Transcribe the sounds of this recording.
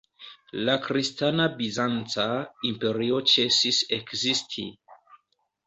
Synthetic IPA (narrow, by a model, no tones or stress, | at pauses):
lakɾistanabizant͡saimpe̞ɾio̞t͡ʃe̞sise̞kzistʰḭ